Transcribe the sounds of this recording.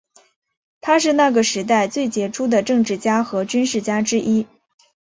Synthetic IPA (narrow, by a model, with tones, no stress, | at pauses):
t̪ʰa˥ʂ̬ɻ̩˥˧na˥˩ɡə˩ʂɻ̩˧˥t̪̬a˥˧ɪt͡swe˥˩ɪt͡ɕjɛ˧˥ʈ͡ʂʰu˥d̪ə˨ʈ͡ʂɤ˥˧ŋʈ͡ʂɻ̩˥˩t͡ɕja˥xɤ˧˥t͡ɕy˥nʂɻ̩˥˩t͡ɕja˥ʈ͡ʂɻ̩˥ʔi˥